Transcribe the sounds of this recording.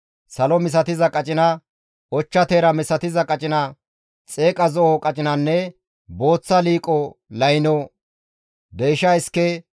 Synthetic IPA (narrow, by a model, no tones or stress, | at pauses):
sɐlɔmɪs̬ɐt̪ɪzɐkʼɐt͡ʃʼɪnɐ | ʔɔt͡ʃːɐt̪eːɾɐmɪsɐt̪ɪzɐkʼɐt͡ʃʼɪnɐ | t͡sʼeːkʼɐzɔʔɔkʼɐt͡ʃʼɪnɐnːɛ | bo̞ːt͡sːɐliːkʼɔlɐjnɔ | d̪ejʃɐɪskːɛ